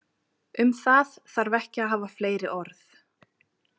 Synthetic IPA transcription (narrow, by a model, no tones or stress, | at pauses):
ʏmθaðθaɾvɛhcɪaɦaːvafleːjɾɪʔɔɾθ